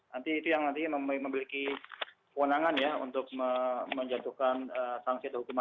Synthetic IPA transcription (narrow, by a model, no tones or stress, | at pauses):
nant̪iːt̪ujaŋnant̪iməmməmiliki | pəwənaŋanjaṵnt̪ʊk̚məməɲd͡ʒat̪uhkanəsaŋsiadəhukuma